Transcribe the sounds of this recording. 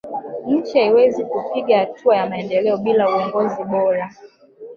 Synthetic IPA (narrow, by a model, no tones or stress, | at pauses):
n̩t͡ʃaiwɛzikupiɡahatʰuajamaɛndɛlɛɔɓilauɔŋɡɔziɓɔɾa